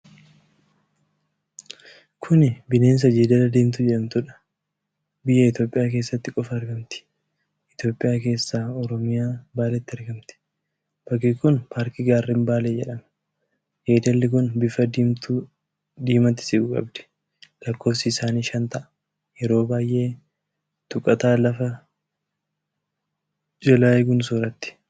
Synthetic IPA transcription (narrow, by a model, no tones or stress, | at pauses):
kʰʊnɪbɪne̞ːns̬ɐd͡ʒeːd̪ɐlɐd̪iːmt̪ʊd͡ʒɛᶑɐmt̪ʊᶑɐ̥ | bɪjːɐɪt̪jo̞ːpʼɪjaːk̬e̞ːsːɐt̪ːɪkʼɔfɐːɾɡɐmt̪ɪ̥ | ʔɪt̪jo̞ːpʼːɪjaːke̞ːsːaːɔɾɔmɪjaːbaːlɛt̪ːɪɐɾɡɐmt̪ɪ̥ | b̥ɐɡikʊnpʰaːɾkɪɡaːrːɛmbaːleːd͡ʒɛᶑɐm | jeːd̪ɛlːɪk̬ʊnbɪfɐd̪imt̪u | d̪iːmɐnt̪ːɪ̥sɪɡʊkʼɐ̰bd̪ɛ̥ | lɐkːo̞ːfsɪːsaːniːʃɐnt̪ɐʔɐ | jɛɾo̞ːbaːjʔe̞ː | t̪ʊkʼːɐt̪aːlɐfɐ | d͡ʒɛlaːɛɡʊnsoːɾɐt̪ːɪ̥